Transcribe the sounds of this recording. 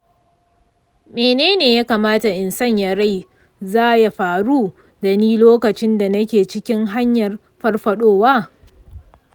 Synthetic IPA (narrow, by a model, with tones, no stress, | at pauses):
meː˨neː˦neː˨ja˦kaː˨maː˦ta˨ʔɪ˨nsɐ˦ɲja˨ɾa˦˨j | zaː˦ja˨ɸaː˨ɽuː˦ | da˨niː˦loː˦kɐ˨t͡ʃɪ˦nda˨nɐ˦kʲeː˨t͡ʃɪ˦kʲɪ˦ŋɦa˦ɲjɐ˨r | ɸɐ˦rɸɐ˨ɗoː˦waː˦